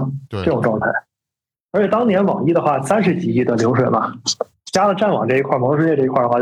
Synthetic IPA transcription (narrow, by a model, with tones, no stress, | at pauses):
ʈ͡ʂɤ˥˩ʈ͡ʂʊ˨˩ŋʈ͡ʂwɑ˥˧ŋt̪ʰa˥˩ɪ | ə˞˧˥t͡ɕʰjɛ˨˩t̪ɑ˥ŋnjɛ˧˥nwɑ˨˩ŋi˥d̪ə˨xwa˥˩sa˥nʂ̬ɻ̩˧˥t͡ɕi˨˩i˥˩d̪ə˩ljo˧˥ʊʂ̬we˨˩ɪmɐ˦ | t͡ɕja˥lə˨ʈ͡ʂa˥˩nwɑ̰˨˩ŋʈ͡ʂɤ˥˩i˧kʰwa˥˩mwɔ˧˥ʂ̬ɻ̩u˥˧˥jɛ˥˧ʈ͡ʂɤ˥˩i˧˥kʰwa˥˩ə˧wa˥˩